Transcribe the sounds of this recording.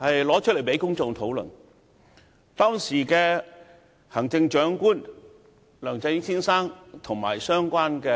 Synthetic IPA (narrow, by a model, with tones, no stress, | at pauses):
hɐ˨jlɔː˨˥t͡ʃʰɵ˥ljpe˨˥jkʊ˥ŋt͡sɔː˧ŋt̪ʰo˨˥wlɵ̰˨˩n | t̪ɔː˥ŋsiː˨˩kɛː˧ | hɐ˨˩ŋt͡sɪ˧ŋt͡ʃœː˨˥ŋkuː˥n | lœː˨˩ŋt͡sɐ˧jɪ˥sʰiː˥nsaː˥ŋt̪ʰʊ˨˩ŋma̰ː˨˩jsœː˥ŋkʷaː˥nkɛː˧